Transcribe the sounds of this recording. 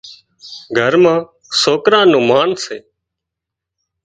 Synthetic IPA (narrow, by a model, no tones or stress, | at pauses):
ɡʱəɾmãː | soːkɾãːnũːmaːnseː